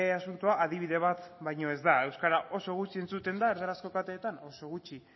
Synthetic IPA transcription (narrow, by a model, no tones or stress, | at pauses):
asunt̪uaʔaðiβ̞iðe̞β̞at̪βajɲo̞e̞zd̪ae̞wskaɾaʔo̞so̞ɣ̞ut͡ʃie̞nt͡sut̪e̞nd̪aeɾðeɾasko̞kat̪eːt̪ano̞so̞ɣut͡ʃi